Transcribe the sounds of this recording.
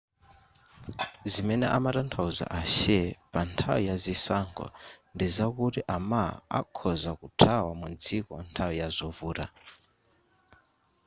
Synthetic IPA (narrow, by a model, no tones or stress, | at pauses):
zimɛnɛʔa̰matantʰauza̰ʔaʃɛpantʰa̰wijazisaŋɡɔ̰ndizakutiʔamaa̰kʰɔzakutʰawamund͡zikɔ̰ntʰawijazɔvuːɾa